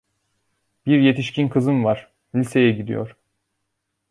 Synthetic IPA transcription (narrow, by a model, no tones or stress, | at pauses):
biɾje̞t̪ʰiʃcʰinkʰɯzɯnvaɾ̥ | lʲise̞jɛɟid̪ḭjo̰ɾ̥